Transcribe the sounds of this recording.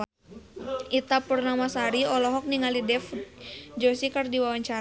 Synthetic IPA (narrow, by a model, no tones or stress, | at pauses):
ʔit̪apurnamasaɾiɔlɔɦɔk̚niŋalidɛfd͡ʒosikərdiwawaɲt͡ʃaɾ